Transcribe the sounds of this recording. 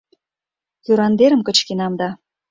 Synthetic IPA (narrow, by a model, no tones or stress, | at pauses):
kyɾɑnd̪eɾə̆mkə̆t͡ɕkenɑmd̪ɑ